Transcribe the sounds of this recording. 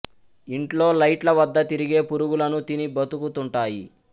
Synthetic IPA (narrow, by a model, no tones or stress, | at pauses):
iɳʈlo̞ːlɐjʈlɐʋɐd̪ːɐt̪iɾiɡe̞ːpuɾuɡulɐnut̪inibɐt̪ukut̪uɳʈaːjḭ